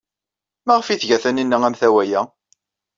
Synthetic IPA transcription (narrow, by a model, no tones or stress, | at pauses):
mæʁfiθʝæθæninːəŋæmθæwæjæ